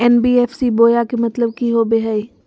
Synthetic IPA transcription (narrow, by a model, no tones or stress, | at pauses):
ɛːnbiːeːfsiboːjakemɐt̪ləb̚kiɦobeɦɐiː